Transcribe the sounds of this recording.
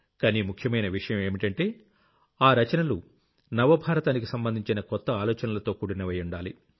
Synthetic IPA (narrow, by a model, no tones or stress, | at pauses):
kaːniːmukʰjɐmɐjnɐʋiʂɐjɐme̞ːmiʈɐɳʈe̞ː | aːɾɐt͡ʃɐnɐlu | nɐʋɐbʱaːɾɐt̪aːnikisɐmbɐnd̪iɲt͡ʃinɐkɔt̪ːɐaːlɔːt͡ʃɐnɐlɐt̪o̞ːkuːɽinɐʋɛːjuɳɖaːli